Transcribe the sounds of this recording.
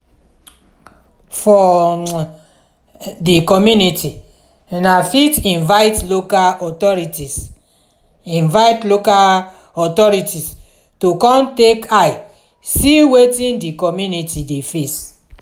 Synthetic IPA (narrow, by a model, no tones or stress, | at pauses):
fɔ | dikɔmjuniti | nafitĩnvaɪtlokaɔtɔɹitis | ĩnvaɪtloka | ɔtɔɹitis | tokɔ̃ntekʰaj | siwetĩndikɔmjunitidefes